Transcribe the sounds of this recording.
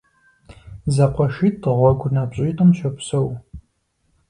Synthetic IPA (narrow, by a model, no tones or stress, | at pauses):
zɐqʷʰɔʃiːtʁʷɔɡʷʊnapɕʼiːtʼɨmʃʰɐpsɐw